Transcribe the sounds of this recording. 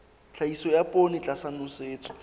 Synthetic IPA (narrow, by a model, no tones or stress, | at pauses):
t͡ɬʰaisɔjapʼonɪt͡ɬʼasanʊseːt͡sʼɔ̥